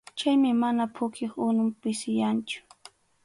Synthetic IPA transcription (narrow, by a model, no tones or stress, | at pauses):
t͡ʃajmɪmanapʰʊkʰɪχʊnʊmpɪsɪjant͡ʃʊ̥